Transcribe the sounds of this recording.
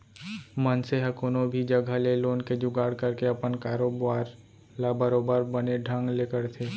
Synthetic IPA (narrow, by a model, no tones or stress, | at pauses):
mənseɦəkonõbʱid͡ʒəɡʱəleloːnked͡ʒʊɡaːɽkəɾkeɐpənkaːɾoːbʋaːɾ | labəɾoːbəɾbəneɖʱə̃ŋɡleːkəɾt̪ʰeː